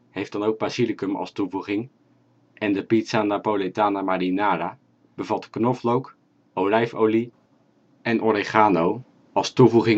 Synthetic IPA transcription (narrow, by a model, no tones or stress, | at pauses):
hejfd̥ɑnowk̚bazilikəmɑ̰lˠstuvuχɪŋ | ʔɛndəpitsanapoletaːnamaɾinaːɾa | b̥əvɑtknɔflowk | owlɛjfowli | ɛnʔɔɾeχaːnow | ɑlˠstuvuχɪŋ